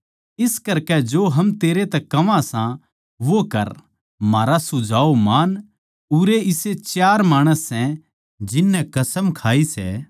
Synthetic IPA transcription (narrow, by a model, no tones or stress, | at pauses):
ɪskɐɾkɛd͡ʒoːɦɐmt̪eːɾet̪ɛkɐʋãsã | ʋokɐɾ | maːɾasʊd͡ʒʱaːomaːn | ʊɾeɪset͡ʃjaːɾmaːɽ̃əsːɛ̃ | d͡ʒɪnːɛ̃kɐsəmkʰaːisɛ̰ː